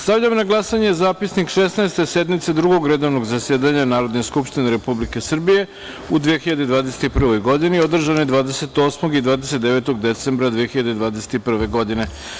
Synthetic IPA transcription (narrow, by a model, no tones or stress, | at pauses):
st̪aʋʎamonaɡlˠasaɲezaːpisnikʂesnaest̪e̞sed̪mit̪sed̪ɾuɡoɡɾed̪o̞ʋnoɡzasjeːd̪aɲanaːɾo̞d̪neskupʃt̪ineɾe̞publike̞sr̩bije̞ | ud̪ʋijexiʎad̪ed̪ʋaːd̪ese̥t̪ipr̩ʋo̞jɡo̞d̪inio̞d̪r̩ʒanojed̪ʋaːd̪ese̞t̪o̞ːsmo̞ɡid̪ʋaːd̪ese̞t̪̚d̪eʋe̞t̪o̞ɡd̪e̞t̪sembɾad̪ʋijexiʎad̪ed̪ʋaːd̪ese̥t̪ipr̩ʋe̞ɡo̞d̪ine̞